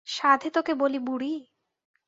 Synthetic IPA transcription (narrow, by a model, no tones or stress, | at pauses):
ʃad̪ʱet̪okebolibuɽi